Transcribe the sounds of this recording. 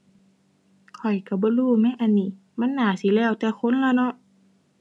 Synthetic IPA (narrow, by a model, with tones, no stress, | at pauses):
kʰɔ˨˩jka˧˩bɔː˧˦luː˧˥˩ma˧˥˨ʔa˧˨nːiː˧˩ | ma˧˥˨nːaː˨˦siː˨˦lɛː˧˩wt̪ɛː˧˩kʰo˧˥˨nlaː˧˩˨nɔ˧˥ʔ